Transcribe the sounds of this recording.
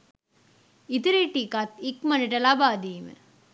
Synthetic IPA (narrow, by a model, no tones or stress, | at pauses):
it̪iɾeʈːikɐt̪ikmɐniʈɐlɐbaːd̪iːmɨ̰